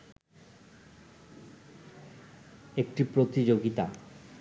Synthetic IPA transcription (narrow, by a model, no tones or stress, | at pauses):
ek̚ʈipɾot̪id͡ʑoɡit̪a̰